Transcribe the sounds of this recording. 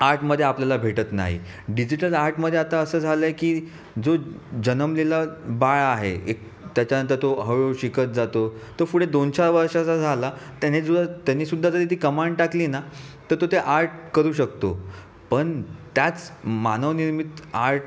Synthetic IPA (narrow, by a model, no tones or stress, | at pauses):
aɾʈməd̪ʱːjeapljalabʱeʈət̪na̰ɦḭ | ɖid͡ʑiʈəlaɾʈməd̪ʱːeat̪aəsəːd͡zʱaləjekiː | d͡zod͡ʑənəmlilabaɭaɦḛek̚ | t̪jat͡ɕjanənt̪əɾt̪oɦəɭoɕikət̪̚d͡zat̪ot̪əɾfuɽed̪ont͡ɕaɾʋəɾʂasad͡zʱalat̪janed͡zud̪t̪janːisud̪ʱːad͡zəɾit̪ʰiːkəmaɳɖʈakliːnat̪əɾt̪ot̪eʔaɾʈ̚kəɾuːɕəkt̪o | pəɳt̪jat͡smanəʋniɾmit̪aɾʈ